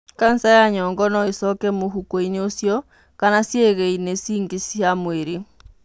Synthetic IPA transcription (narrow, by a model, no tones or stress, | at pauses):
kan̩sajaɲɔŋɡɔnɔesɔkɛmoɦukoiɲosjɔ | kanasjeɣɛinesiːŋɡesjamweɾe